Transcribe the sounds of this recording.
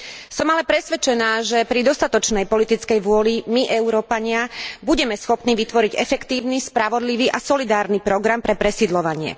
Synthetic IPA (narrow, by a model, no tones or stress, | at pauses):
sɔmalɛpɾɛsʋɛt͡ʃɛnaːʒɛpɾid̪ɔst̪at̪ɔt͡ʃnɛjpɔlit̪it͡skɛjʋʊɔlimiʔɛuɾɔːpaɲɪabuɟɛmɛsxɔpniːʋit̪ʋɔɾiɟɛfɛkt̪iːʊnispɾaʋɔd̪liʋiːʔasɔlid̪aːɾnipɾɔɡɾampɾɛpɾɛsid̪lɔʋaɲɪɛ̰